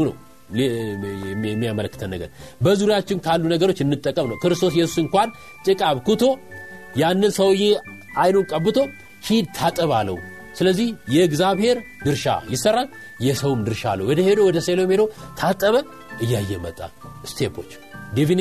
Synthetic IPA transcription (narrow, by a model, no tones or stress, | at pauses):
unə̰w | ɛmːijamələkːɨ̥t̪ʰənːəɡə̰ɾbəzuɾjat͡ʃːɪnkʰalːunəɡəɾo̞t͡ʃːɨnːɨt̪ʼːəkʼːəmnəwkɨɾɨst̪ʰo̞s̬jɛsu̥sɨŋkʷan | t̪ʼɨkʼaβkʰut̪ʰo̞janːɨnsəwɨje | ajnokʼəbːɨt̪ʰo̞ | hid̪̚t̪ʰat̪ʼəβalːə̰w | sɨləzːihjɛɡzaβhe̞ɾ | d̪ɨɾʃa̰jɪsərːal | jɛsəwmd̪ɨɾʃa̰lːə̰wɔd̪əhe̞d̪o̞wɔd̪əselomed̪o̞t̪ʰat̪ʼːəβə | ʔɨjːajːɛmət̪ʼːa̰st̪ʰepʰo̞̰t͡ʃː | d̪efin